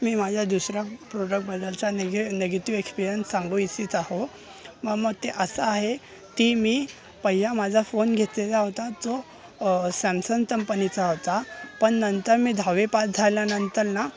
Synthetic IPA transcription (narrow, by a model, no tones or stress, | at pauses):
miːmad͡ʑʱjad̪usɾjapɾoɖək̚ʈ̚bəd̪əlt͡saneɡneɡət̪iʋekspiɾjənsːãŋɡũisiːt͡saho | məməɡ̚t̪eʔəsəaɦe | t̪iːmiː | pəɦijamad͡zʱafonɡʱet̪let͡saɦot̪at͡sɔ | sæmsəŋkəmpənit͡saɦot̪apəɳnənt̪əɾmiːd̪ʱaʋepasd͡zʱaljanənt̪əɾna